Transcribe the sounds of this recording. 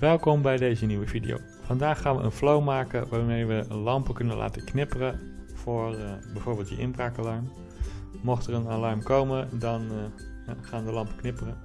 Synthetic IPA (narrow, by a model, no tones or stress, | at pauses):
ʋɛlˠkɔmbɛjdejzəniʋəvidḭo̰w | fɑndaːχːaːnʋə̰ʔə̰nflowmaːkənʋaːɹmejʋəlɑmpəkɵnənla̰ːtəknɪpərə | v̥ʊːrbɛjvoːɹbɪːlˠt̚də̰ʔɪnbraːkalɑɹm | mɔχtərənalɑɹmkowmədɑn | χaːndəlɑmpəknɪpərə